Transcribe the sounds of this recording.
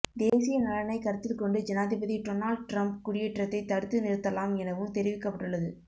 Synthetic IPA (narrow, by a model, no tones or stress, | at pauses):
d̪eːsɪjɐnɐlɐnɐɪkɐɾɐt̪ːɪlkɔɳɖɯd͡ʒɛnaːðɪbɐðiʈɔnaːlɖ̚ʈɾɐmpkʊɽɪjɛʈrɐt̪ːɐɪt̪ːɐɽɯt̪ːɯnɪɾɯt̪ːɐlaːmɛnɐʋɯmt̪ɛɾɪʋɪkːɐpːɐʈːɯɭːɐðɯ